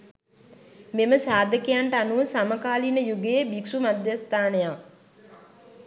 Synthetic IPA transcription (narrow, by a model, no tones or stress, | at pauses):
meməsaːd̪əkijaɳʈəanuʋəsaməkaːlinəjuɡejebiksumad̪jast̪aːnəjaŋ